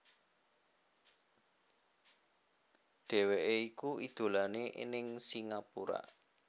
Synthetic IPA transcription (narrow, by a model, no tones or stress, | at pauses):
ɖ̥ɛ̤weʔeikuid̪̥o̤laneʔḭnɪŋsiŋapuɾa̰